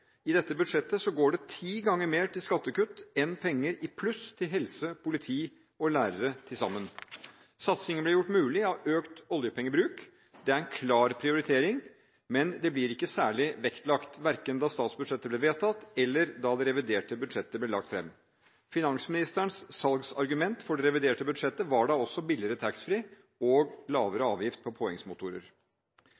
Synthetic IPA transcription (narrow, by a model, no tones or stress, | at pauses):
ɪd̪ɛt̪ːəbʉd̪ʂɛt̪ːəsɔɡoːɖɛt̪ʰiːɡɑŋːəɾmeːʈɪlskɑt̪ːəkʉt̪ːɛnpʰɛŋːəɾɪpʰlʉst̪ʰɪlɦɛlsəpʰʊlɪt̪ʰiː | ɔlæːɾəɾət̪ʰɪlsɑ̰mːən | sɑt̪sɪŋənblɪɾjʊʈːmʉːlɪɑʋøːkt̪ɔljəpʰɛŋːəbɾʉːk | d̪ɛæɾɛnkʰlɑːɾpʰɾɪʊɾɪt̪ʰeːɾɪŋ | mɛnd̪ɛblɪɾɪkːəsæːɭɪʋɛkt̪lɑkt̪ʋæɾkənd̪ɑst̪ɑːt̪sbʉd̪ʂɛt̪ːəblɛʋeːt̪ʰɑt̪ːɛlːəɾd̪ɑd̪ɛɾɛʋɪd̪eːʈəbʉd̪ʂɛt̪ːəblɛːɭɑk̚t̪fɾɛ̰mː | fɪnɑŋsmɪnɪst̪əɳsːɑlɡsɑ̰ɾɡʉmɛnt̪fɔɖɛɾɛʋɪd̪eːʈəbʉd̪ʂɛt̪ːəʋɑɖɑɔsːɔbɪlɪɾət̪ʰæksfɾiː | ɔːɡlɑːʋəɾəɑːʋjɪft̪̚pʰɔpʰɔɛŋsmʊt̪ʊɾə̰ɾ